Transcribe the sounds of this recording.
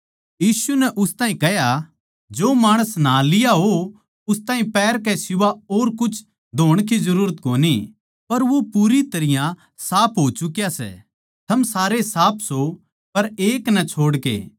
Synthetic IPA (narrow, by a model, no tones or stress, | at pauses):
jiːsunɛʔʊst̪aːɦĩkɛɦja | d͡ʒoːmaːɽ̃əsnalɪjaɦo | ʊst̪aːɦĩpɛːɾkɛsɪʋaoːɾkʊt͡ʃʰ | d̪ʱoːɽ̃k̬izɐɾuːɾət̪koːni | pɐɾʋopuːɾit̪ɐɾɪjã | saːpʰɦoːt͡ʃʊkjasɛ̰ | t̪ʰɐmsaːɾesaːpʰso | pɐɾeːknɛt͡ʃʰoːɽkḛː